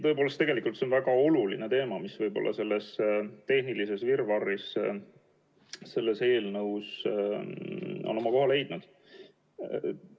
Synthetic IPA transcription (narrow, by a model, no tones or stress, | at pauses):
t̪ɤ̞epolest̪e̞ɡe̞likult̪seonvæɡ̥ɑo̞luline̞t̪e̞ːmɑmisvɯjbo̞̰lːɑ̰se̞lːe̞st̪e̞hnilise̞svirvɑrːis | se̞lːe̞se̞ːlnɤws | o̰no̞mɑko̞ɦɑle̞jd̪̥nud̪̥